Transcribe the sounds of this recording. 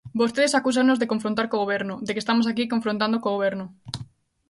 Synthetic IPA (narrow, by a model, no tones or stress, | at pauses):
bost̪eðesakusaŋnozðekoɱfɾõnt̪̬aɾkoɣoβeɾnod̪ekest̪amos̬ak̬ikõɱfɾõnt̪ãnd̪okoɣoβeɾnʊ